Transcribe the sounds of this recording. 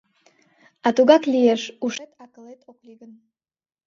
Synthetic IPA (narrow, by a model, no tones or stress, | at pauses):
ɑt̪uɡɑklijeʃuʃet̪ɑkəlet̪ʰoklʲiɡən